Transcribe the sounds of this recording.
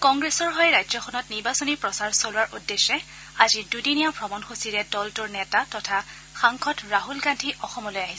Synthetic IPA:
kɔŋɡɹesɔɹɦɔjɹajzɔxʰɔnɔtniɹbasɔnipɹɔsaɹsolʊwaɹʔudːesːɛ | azidudinijabʱɹɔmɔnxosiɹɛdɔltʊɹnɛtatɔtʰa | xaŋkʰɔtɹaɦulɡandʰʱiʔɔxɔmɔlojaɦisɛ

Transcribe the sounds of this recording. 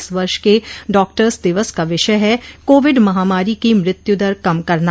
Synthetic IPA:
sʋɐɾʃkeɖɔːk̚ʈəɾsd̪ɪʋəskaʋɪʃəjɦɛkoːʋɪɖmɐɦaːmaːɾikimɾɪt̪jʊd̪əɾkɐmkɐɾna

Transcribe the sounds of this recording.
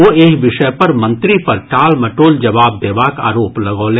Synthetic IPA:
oːeːkʋɪʃəpɐɾmɐ̃nt̪ɾipɐɾʈaːlmɐʈoːld͡ʒɐʋaːb̚d̪eːʋaːka̰ːɾoːplɐɡolẽː

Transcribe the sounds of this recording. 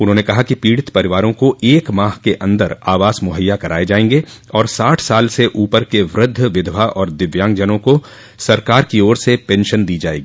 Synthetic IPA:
ʊnɦõːnekɐɦakipiːɽɪt̪pɐɾɪʋaːɾõkoʔeːkmaːɦkeʔɐ̃nd̪əɾaːʋaːsmʊɦəjːakɐɾa̰ːed͡ʒaːẽːŋ̆ɡe | ɔːɾsaːʈʰsaːlseʔuːpəɾkeʋɾʊd̪ʱːʋɪd̪ʱʋaʔɔːɾd̪ɪʋjãːŋɡd͡ʒənõko | sɐɾkaːɾkioːɾsepɛ̃ːnʃənd̪iːd͡ʒaːḛːɡiː

